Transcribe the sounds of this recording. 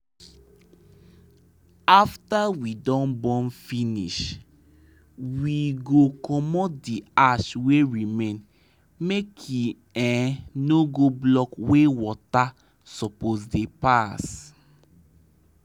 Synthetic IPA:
aftawidɔ̃nbɔ̃nfinḭʃ | wiɡokɔmɔtdiaʃweɹimẽn | mekʰju | ɛ̃noɡoblɔkwewɔta | sɔposdepas

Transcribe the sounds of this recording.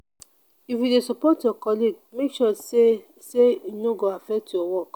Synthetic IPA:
ifidesɔpɔtɔkɔliɡmekʃɔse | seinõɡoafɛtiɔwɔk

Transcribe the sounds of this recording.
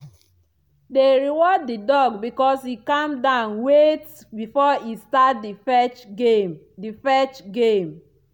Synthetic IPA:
deɾiwɔdːidɔɡbikɔshikamdãʊnwet | bifɔistat̚dfɛt͡ʃm | difɛt͡ʃɡem

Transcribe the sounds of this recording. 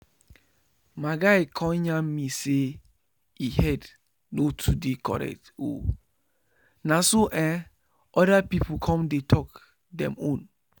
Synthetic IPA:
maɡajkʰɔ̃ɲãmise | ihɛd | notʰudekɔ̰ɾɛ̰k̚to̰ | nasoʔɛ̃ | ɔdapipukʰɔ̃mdetʰɔk | dɛ̰̃mõn

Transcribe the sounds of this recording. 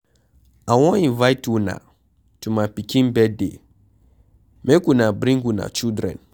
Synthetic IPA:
awɔ̃ĩnvajtuna̰ | tumapikĩnbɛdḛ | mekunabɾĩŋɡuna̰t͡ʃildɾɛ̰̃n

